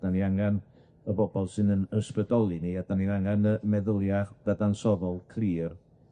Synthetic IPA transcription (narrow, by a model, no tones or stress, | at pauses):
d̥aniaŋɛn | əbɔbɔlˠsɨnənəspədɔlˠiniad̥aniaŋɛnəmɛðʊlˠjaχd̥adansɔðɔlˠkʰriːr